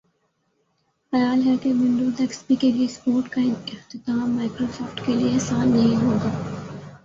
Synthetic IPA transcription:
xɐjaːlɦɛkeʋɪ̃ɳɖud̪ɐkspikeliespoːɾʈkɐĩnt̪et̪aãmaːkɾosɔːfʈkelieːsaːnːɐɦĩɦõːnd̪aː

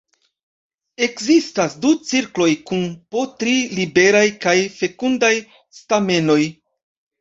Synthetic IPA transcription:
e̞kzistasdut͡siɾklo̞jkunpo̞tɾilibe̞ɾajkajfe̞kundaj | stame̞no̞j

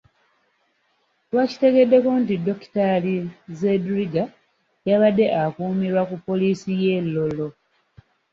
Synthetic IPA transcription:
twaci̥te̞ɡe̞dːe̞kontido̞ki̥talizedɾiɡa | jaβadːe̞ʔakuːmiɾwakupːo̞liːsijelːo̞lo̞

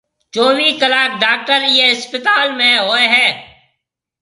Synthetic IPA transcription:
t͡ʃoːʋikəlaːk̚ɖaːk̚ʈəɾjeɦɪspɪt̪aːlmẽɦoːeɦɛː

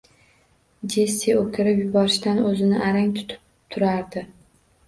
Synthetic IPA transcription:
d͡ʒesʲeokʲʰɪɾɪpjʊbɒɾɪʃd̪anɵzɪnɪʔaɾaŋt̪ʰʊ̥t̪ʰɪ̥p̚ | t̪ʰʊɾaɾd̪ɪ

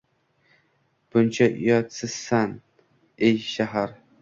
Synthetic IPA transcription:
b̥ʊnt͡ʃʰaʔjɑt̪sɨsːan | ejʃaɦaɾ

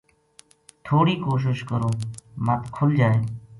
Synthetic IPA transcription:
t̪ʰoːɽiːkoːʃ̬ɪʃkəɾoːmãːt̪kʰʊld͡ʒaːeː

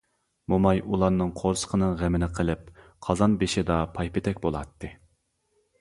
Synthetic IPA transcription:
momɑjʔulˠɑɾnɨŋqʰoɾsə̥qʰənɨŋʁɛmɪnɪɨqʰəlˠɪp̚ | qʰɑzɑnbeʃɪd̪ɑpʰɑjpɪt̪ʰɛkʲbolˠɑt̪ʰːɨ

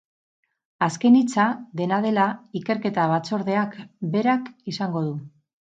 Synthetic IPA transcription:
aske̞nit͡saðe̞nað̞e̞laike̞ɾke̞t̪aβ̞at͡so̞ɾðe̞akbe̞ɾakisaŋɡo̞ðu

